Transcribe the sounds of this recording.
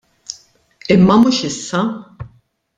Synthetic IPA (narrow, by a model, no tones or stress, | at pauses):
ɪmːɐmuːʃɪsːɐ